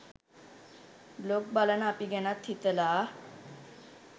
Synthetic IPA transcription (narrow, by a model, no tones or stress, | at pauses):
blok̚balanapiɡɛnat̪ʰːit̪əla